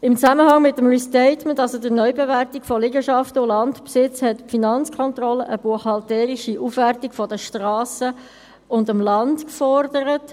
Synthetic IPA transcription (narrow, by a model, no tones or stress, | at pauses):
ɪmt͡sæməhɑŋmɪtːəmɹistɛɪtməntɑlsodəɾnœʏbevæɾtikfɔlɪɡəʃɑftəʊlɑntpsɪt͡shɛtfinɑnt͡skʰɔnt̪ɾɔləʔəb̥uəχhɑltɛːɾɪʃiʔufʋærtikfɔdəʃtɾɑːsə | ʊndəmlɑntkfɔɾdəɾət